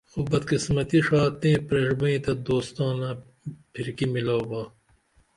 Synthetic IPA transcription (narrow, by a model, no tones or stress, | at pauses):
xobɐd̪̚kismɐt̪iʂaːt̪ẽːpɾeʂbuĩːt̪ɐd̪oːst̪ɑ̃ːnãː | pʰiɾkimiloːbaː